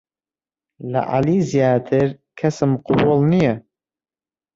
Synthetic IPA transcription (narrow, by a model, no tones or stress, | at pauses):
lɐ̰ʔa̰liːzijaːt̪ʰɨɾ | kʰɐsɨmqʊbʊlˠnijɛ